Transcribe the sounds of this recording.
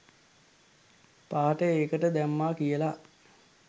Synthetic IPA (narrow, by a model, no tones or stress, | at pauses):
paːʈəeːkəʈəd̪æmːaːkijəla